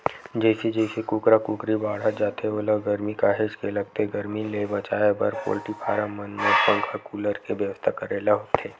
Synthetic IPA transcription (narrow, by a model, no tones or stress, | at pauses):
d͡ʒɛːsid͡ʒɛːsekuːkɾakuːkɾibaːɽ̤at̪d͡ʒaːt̪eoːləɡəɾmikaːɦeːd͡ʒkelɐɡt̪eɡəɾmilebɐt͡ʃaːjebəɾpo̰ːlʈipʰaːɾãmənmẽpə̃ŋkʰakuːləɾkeʋjəʋəst̪ʰakɐɾeːlaɦoːt̪ʰeː